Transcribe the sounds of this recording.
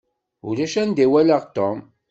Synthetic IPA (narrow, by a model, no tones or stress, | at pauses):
ṵlæʃænd̪iwæləʁt̪om